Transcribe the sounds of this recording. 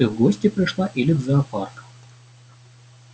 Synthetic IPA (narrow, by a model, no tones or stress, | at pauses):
ɨɣɡosʲtʲɪpɾʲɪʂlˠaʔilʲɪd̪zɐɐparkə̥m